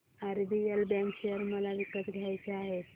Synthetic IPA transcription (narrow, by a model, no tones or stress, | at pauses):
aɾb̪ijəlbɛ̃ŋkɕejəɾməlaʋikːət̪ɡʱjajt͡seaɦet̪